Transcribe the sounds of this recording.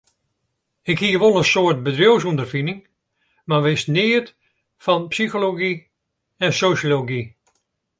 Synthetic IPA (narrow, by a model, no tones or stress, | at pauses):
ɪkhiəʋolˠənsoərt̚bədrjows̬undərfinɪŋ | maʋɪsnɪət | fɔnpsixoloɡi | ɛnsosjoloɡi